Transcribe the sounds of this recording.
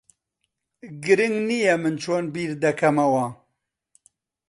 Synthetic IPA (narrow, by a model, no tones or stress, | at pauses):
ɡɨɾɨŋɡnijɛmɨnt͡ʃʰoːnbiːɾd̪ɐkʰɐmɐwɐ